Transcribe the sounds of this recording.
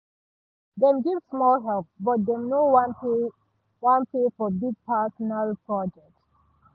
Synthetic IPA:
dɛ̃mɡivsmɔlɦɛlp̚bɔt̚d̪ɛmnowan | wãnpefɔbiɡ̚pʰɛsɔnalpɹɔd͡ʒɛk̚t

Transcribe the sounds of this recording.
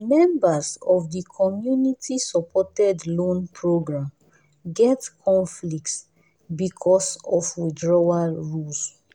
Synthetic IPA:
mɛ̃mbasɔfdikʰɔmjunitʰisɔpʰɔtɛdlõnpʰɹoɡɹãm | ɡɛtkʰɔ̃nflik̚ts | bikʰɔsɔfwidɹɔwaɹuls

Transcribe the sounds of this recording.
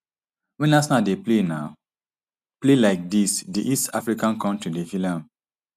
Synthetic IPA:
wɛ̃nasnadeplenaʊ | plelaɪk̚disdiʔistʰafɹikãnkʰɔ̃ntɹidevilãm

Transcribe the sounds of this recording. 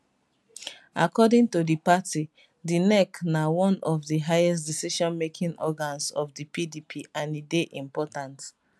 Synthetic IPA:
akɔdĩŋtodipati | dinɛknawɔ̃nɔvdiɦajɛs̬tdisiʃɔ̃nmekʰĩnɔɡãnsɔfdipʰidipʰiʔãnideʔĩmpɔtãnt

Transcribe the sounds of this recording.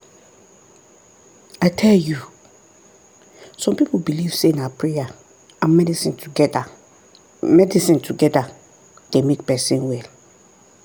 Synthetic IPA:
aɪtʰɛlju | sɔ̃mpipʰobiliv̥sẽnapʰɹɛja | ãmmɛdisɪ̃ntʰɡ | mɛdisĩntʰuɡɛda | d̥emek̚pɛsĩnwɛl

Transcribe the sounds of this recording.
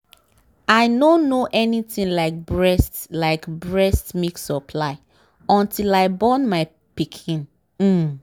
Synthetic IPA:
aɪnõnnːoʔɛnitĩnlaɪk̚bɹɛstlaɪkbɹɛstmeksɔpʰlaɪ | ɔ̃ntʰilaɪbɔ̃nmaɪ | pikʰĩn | m̩

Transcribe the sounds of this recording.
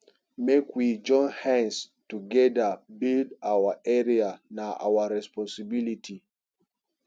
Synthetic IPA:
mekwid͡ʒɔ̃nhɛ̃ns | tuɡɛdəbildawaʔɛɹianaʔa̰waɹɛspɔ̃nsibilitʰi

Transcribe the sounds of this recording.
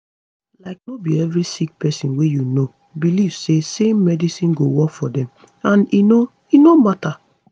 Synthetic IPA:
laɪk̚nobiɛvɹisik̚pɛsĩnwejuno | biliv̥sesẽmːɛdisĩnɡowɔkfɔdɛ̃m | ãnino | inomata

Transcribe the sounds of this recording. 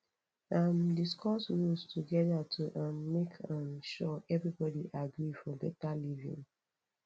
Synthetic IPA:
amdiskʰɔsɹustʰuɡɛðatʰuʔamːekʰamʃɔʔɛvɹibɔdiʔaɡɹifɔbɛtalivḭ̃ŋ

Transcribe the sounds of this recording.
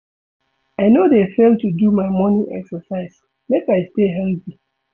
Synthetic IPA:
aɪnodefelˠtudumaɪmɔ̃niʔɛksəsaɪs | mekaɪsteɦɛlpi

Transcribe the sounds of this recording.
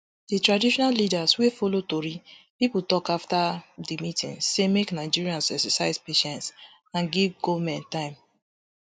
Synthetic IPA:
ditɹadiʃɔnalidaswefolotoɹipiputɔkaftadimitḭ̃nsemeknaɪd͡ʒiɹiãnsɛksasaɪzpeʃɛ̃nts | ãnɡivɡomɛ̃ntãɪ̃m

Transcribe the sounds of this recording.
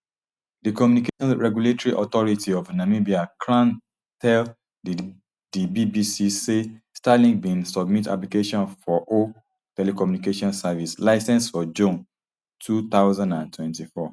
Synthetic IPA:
dikɔmjunikeʃɔ̃nɹɛɡjuletɔɹiʔɔt̪ɔɹitʰiɔvnamibiakʰɹãn | tʰɛl | dibibisisestalĩŋbĩnsɔb̚mita̰plikeʃɔ̃nfɔʔo | tɛlekɔmjunikeʃɔ̃nsavislaɪsɛ̃nsfɔd͡ʒũn | tʰut̪aʊzãndãntʰwɛ̃ntifɔ

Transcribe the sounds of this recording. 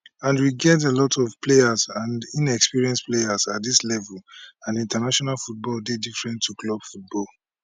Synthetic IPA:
ãndwiɡɛt̬elɔtʰɔvpleazãndĩnɛkspiɹiɛ̃nsplejazat̚dislɛvulãnĩntanaʃɔnalfut̚bɔldedifɹɛ̃ntʰːuklɔbfut̚bɔl

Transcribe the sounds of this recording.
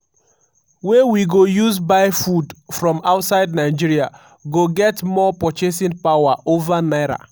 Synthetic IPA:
wɛwiɡojuzbaɪfudfɹɔ̃maʊtsaɪdnaɪd͡ʒiɾia | ɡoɡɛtmɔpɔt͡ʃes̬ĩnpawaʔovanaɪɾa̰

